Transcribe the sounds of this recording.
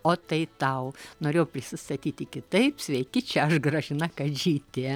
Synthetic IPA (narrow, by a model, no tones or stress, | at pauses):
oːt̪ɐɪt̪ɐʊnoːɾʲeːjʊpʲɾʲɪsʲɪst̪ɐt̪ʲiːt̪ʲɪkʲɪt̪ɐɪpsʲʋʲɛɪkʲɪt͡ʃʲɛɐʃɡrɐʒʲɪnɐkɐʒʲiːt̪ʲeː